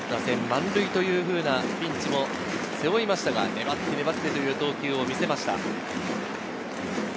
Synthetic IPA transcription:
nasẽ̞mːãnɾɯ̟it̪o̞jɯ̟ːɸɯ̟ːnapʲĩɲt͡ɕimo̞ | seoimaɕi̥t̪aɡane̞bat̪ːe̞ne̞bat̪ːe̞t̪o̞jɯ̟ːt̪o̞ːkʲɨːo̞mʲise̞maɕi̥t̪a̰

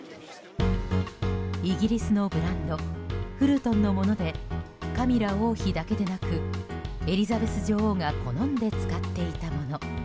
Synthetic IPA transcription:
iɡʲiɾʲisɨno̞bɯ̟ɾãnd̪o̞ɸɯ̟ɾɯ̟t̪õ̞nːo̞mo̞nod̪e̞kamʲiɾao̞ːçid̪ake̞d̪e̞nakɯ̟e̞ɾʲizabe̞sɨʑo̞ːhoːŋako̞nõ̞nd̪e̞t͡sɨ̥kat̪ːe̞it̪amo̞no̞

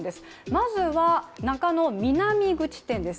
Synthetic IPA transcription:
d̪e̞sɨ̥ | mazɨβanakanomʲinamʲiɡɯ̟t͡ɕi̥t̪ẽ̞nd̪e̞s

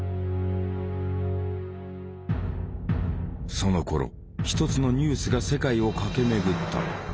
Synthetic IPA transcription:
so̞no̞ko̞̰ɾo̞̰ | çi̥t̪o̞t͡sɨno̞ɲ̟ɨːsɨɡase̞kaio̞kake̞me̞ɡɯ̟t̪ːa̰

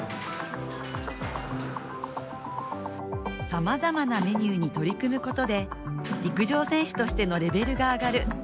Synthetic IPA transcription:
samazamaname̞ɲ̟ɨːɲ̟it̪o̞ɾʲikɯ̟mɯ̟ko̞t̪o̞d̪e̞ɾʲikɯ̟ʑo̞ːsẽ̞ɰ̃ɕɨ̥t̪o̞ɕi̥t̪e̞no̞ɾe̞be̞ɾɯ̟ɡaːɡaɾɯ̟

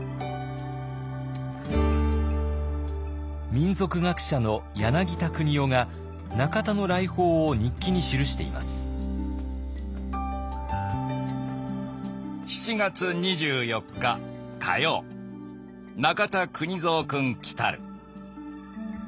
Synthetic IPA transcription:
mʲĩnzo̞kɯ̟ɡakɯ̥ɕano̞janaɡʲit̪akɯ̟ɲ̟io̞ŋa | nakat̪ano̞ɾaiho̞ːoɲ̟ikʲːiɲ̟iɕiɾɯ̟ɕi̥t̪e̞̰ḭmʔa̰sɨ̥ | çi̥t͡ɕiɡat͡sɨɲ̟iʑɨːjo̞kːa | kʰa̰jo̞̰ː | nakat̪akɯ̟ɲ̟izoːkɯ̟̃ŋkʲi̥t̪a̰ɾɯ̟

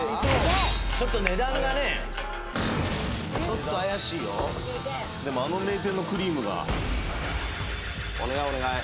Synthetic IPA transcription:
t͡ɕo̞t̪ːo̞ne̞d̪ãŋɡane̞ | t͡ɕo̞t̪ːoajaɕiːjo | d̪e̞mo̞ano̞me̞ːt̪̬e̞nːo̞kɯ̟ɾʲiːmɯ̟ɡa̰ | o̰ne̞ɡaoneɡae

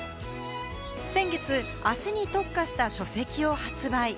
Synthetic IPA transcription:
sẽ̞ŋɡe̞t͡sɨ | aɕiɲ̟it̪o̞kːaɕi̥t̪aɕo̞se̞kʲio̞hat͡sɨbai

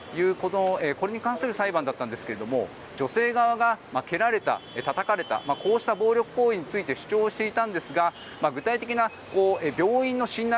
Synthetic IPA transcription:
jɯ̟ːkot̪oeko̞ɾe̞ɲ̟ikãɰ̃sɨɾɯ̟saibãnd̪at̪ːãnd̪e̞sɨ̥ke̞ɾe̞d̪o̞mo̞̰ | d͡ʑo̞se̞ːɡaβaɡamake̞ɾaɾe̞t̪a̰et̪at̪akaɾe̞t̪a̰mako̞ːɕi̥t̪abo̞ːɾʲo̞kɯ̟̥ko̞ːiɲ̟it͡sɨit̪e̞ɕɨ̥t͡ɕo̞ːɕi̥t̪e̞it̪ãnd̪e̞sɨɡa | maɡɯ̟t̪ait̪e̞kʲina | ko̞ːebʲo̞ːĩnːo̞ɕĩnːa

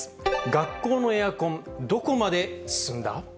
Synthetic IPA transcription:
ɡakːo̞ːno̞eakõ̞nd̪o̞ko̞mad̪e̞ssɨ̃nd̪a̰

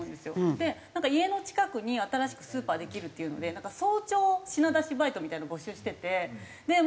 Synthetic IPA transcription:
d̪e̞sɨjo̞d̪e̞nãŋkaie̞no̞t͡ɕi̥kakɯ̟ɲ̟iat̪aɾaɕi̥kɯ̟̥sɨːpaːd̪e̞kʲiɾɯ̟t̪ːeiɯ̟no̞̰d̪e̞nãŋkaso̞ːt͡ɕo̞ːɕinad̪aɕibait̪o̞mʲit̪ainabo̞ɕɨːɕi̥t̪e̞t̪e̞ | d̪e̞

